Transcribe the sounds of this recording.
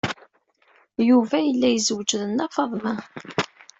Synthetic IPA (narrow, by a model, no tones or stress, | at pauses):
juvæjəlːæjəzəwd͡ʒðənːɑfɑðˤmæ